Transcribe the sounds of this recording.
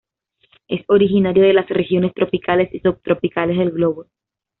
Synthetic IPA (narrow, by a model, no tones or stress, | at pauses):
e̞so̞ɾixinaɾjoðe̞lasrexjo̞ne̞st̪ɾo̞pikʰale̞sisuβt̪ɾo̞pikale̞zðelɣlo̞βo